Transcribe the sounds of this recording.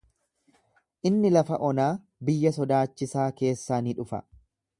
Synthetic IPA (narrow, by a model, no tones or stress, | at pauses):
ʔɪnːɪlɐfɐʔɔnaː | bɪjːɐsɔd̪aːt͡ʃːɪsaːke̞ːsːaːnɪᶑʊfɐ̰